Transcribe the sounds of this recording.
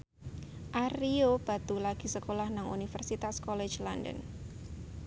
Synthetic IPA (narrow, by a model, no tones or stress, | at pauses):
ʔaɾiob̥a̤t̪ulaɡ̥i̤səkolahnaŋṵnifərsit̪askɔle̥d͡ʒlandə̰n